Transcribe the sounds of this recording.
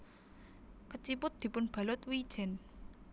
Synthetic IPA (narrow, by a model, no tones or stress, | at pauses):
kət͡ʃipʊt̪̚d̪̥i̤pʊnb̥a̤lʊt̪wi̥ʒ̥ɛ̤n